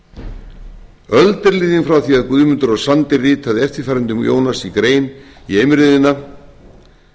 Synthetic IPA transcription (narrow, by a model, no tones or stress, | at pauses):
œlt̪ɪɾliːðɪnfɾawθiaðkvʏːmʏnt̪ʏɾɔɣsant̪ɪriːt̪ʰaðɛft̪ɪɾ̥faːɾʏnt̪ʏmjo̰ːwnasikɾeːjniejmɾɪːðɪnːa